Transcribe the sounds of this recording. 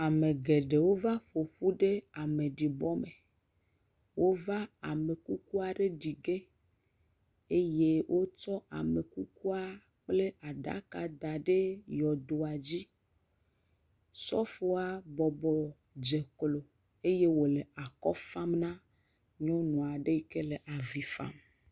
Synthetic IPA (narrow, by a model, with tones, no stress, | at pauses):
a˨me˨ɡe˨ɖe˨wo˦va˦ɸo˨ɸu˦ɖe˦a˨me˨ɖi˨bɔ˦me˨ | wo˦va˦a̰˨me˨ku˦ku˦a˨ɖe˦ɖi˨ɡe˦ | e˦je˦wʔo˦t͡ʃɔ˦a̰˨me˨ku˦ku˦a˦ | k͡ple˦a˨ɖa̰˨˦ka˨d̪a˨ɖe˦jɔ˨d̪o˨a˨d͡ʑi˦ | sɔ˦fo˦a˦bɔ˨bɔ˨ | d͡ʒe˨klo˨ | e˦je˦wo˨le˨a˨kɔ˦fa˦mnã˦ | ɲɔ̃˦nɔ̃˨a˨ɖe˦i˦ke˦le˨ʔa˨vi˨fa̰˦m